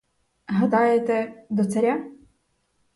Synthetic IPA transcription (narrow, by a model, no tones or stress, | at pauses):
ɦɐd̪ɑjet̪ɛd̪ɔt̪sɐɾʲa